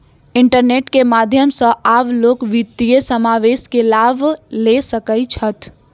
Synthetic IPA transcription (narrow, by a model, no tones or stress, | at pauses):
ɪɳʈəɾneːʈkemaːd̪ʱjəmsəʔaːbloːkʋit̪ːijəsəmaːʋeːskelaːbʱlesəkəit͡ʃʰət̪